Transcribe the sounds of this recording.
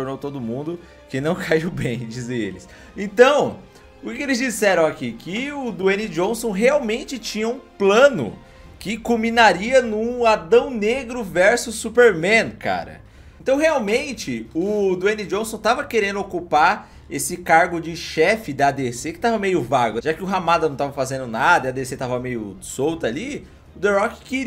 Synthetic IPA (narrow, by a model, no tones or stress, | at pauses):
oɾnowt̪od̪ʊmũnd̪ʊ | kɪnɐ̃w̃kʰaiwbẽj̃d͡ʒizẽḛlɪs | ẽnt̪ɐ̃w̃ | ʊkɪkelɪzd͡ʒisɛɾɐ̃w̃akikɪʊd̪uẽnɪd͡ʒõsõw̃ɦeawmẽnt͡ʃɪt͡ʃĩɲɐũplɐ̃nʊ̰ | kɪkõmĩnaɾiɐnũad̪ɐ̃w̃neɡɾʊvɛɾsʊsːupeɾmẽnka̰ɾɐ̰ | ẽt̪ɐ̃w̃ɦeawmẽnt͡ʃɪʊd̪uẽnid͡ʒõsõt̪avɐkeɾẽnd̪ʊokupa | esɪkaɾɡʊd͡ʒɪʃɛfɪd̪ɐːd̪esekɪ̥t̪avɐmejʊvaɡʊʒakɪʊɦamad̪ɐnɐ̃w̃t̪avɐfazẽnd̪ʊnad̪ɐiɐad̪eset̪avɐmejʊ̰sowt̪ali | ʊd̪eɾɔkkɪɾi